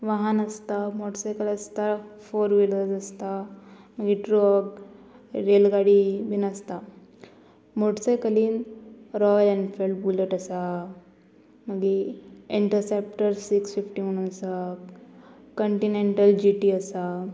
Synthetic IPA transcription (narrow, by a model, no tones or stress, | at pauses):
ʋaɦanəst̪amoʈsajkələst̪afoɾʋiləɾd͡zəst̪a | məɡiʈɾɔɡ | ɾelɡaɽibinəst̪a | moʈsajkəliːnɾɔjlɛ̃ɳɖfelɖ̚buləʈəsa | məɡiiɳʈəɾsep̚ʈəɾsiksfifʈiunəsa | kəɳʈineɳʈəld͡ʑiʈiəsa